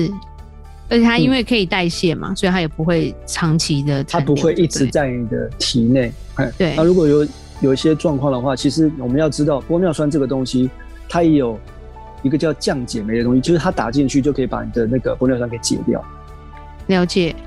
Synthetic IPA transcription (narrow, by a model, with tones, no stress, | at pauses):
ʂɻ̩˥˩ | ə˞˧˥t͡ɕʰjɛ˨˩t̪ʰa˥i˦˥nwe˥˩ɪkʰɤ˧˥i˨˩t̪a˥˧ɪɕjɛ˥˩ma̰˨˩swɔ˧˥i˨˩a˥jɛ˨˩pu˦xwe˥˩ɪʈ͡ʂʰɑ˧˥ŋt͡ɕʰi˧˥d̪ə˨ʈ͡ʂ̪ʰa˥npu˨˦xwe˥˧ɪʔi˥˩ʈ͡ʂɻ̩˧˦t͡sa˥˩ɪni˨˩d̪ə̰˦t̪ʰi˧˥˦ne˥˩ɪ | e˥˩t̪we˥n˩ɪa˥˨˩ɻu˧˥kwɔ˨˩jo˨˦ʊ | jo˨˩ʊi˥˩ɕjɛ˥ʈ͡ʂwɑ˥˧ŋkʰwɑ˥˨ŋd̪ə˩xwa˥˩t͡ɕʰi˧˥ʂ̬ɻ̩˧˥wɔ˨˩mə˨˦njɑ˥˩ʊʈ͡ʂɻ̩˥t̪̬ɑ˥˩ʊpwɔ˥mjɑ˥˧ʊswa˥nʈ͡ʂɤ˥˩ɡə˩t̪o˥ŋɕi˦ | t̪ʰa˥jɛ˧˥jo˨˩ʊ | i˧˥ɡə˧t͡ɕʊt͡ɕjɑ˥˩ŋt͡ɕjɛ˨˩me˧˥ɪə˧o˥ŋɕi˧t͡ɕʰi˧˥ʂ̩ʰ˥a˥t̪a̰˨˩t͡ɕi˥˧ŋt͡ɕʰy˥˩t͡ɕo˥˩kʰə˧˥i˨˩pa̰˧˦ni˨˩d̪ə˦na˥˩ɡə˩pwɔ˥mjɑ˥˧swa˥nkʰe˧˥ɪ˨t͡ɕjɛ̰˨˩t̪jɑ̰˥˩ʊ | ljɑ˧˥ʊt͡ɕjɛ˨˩˦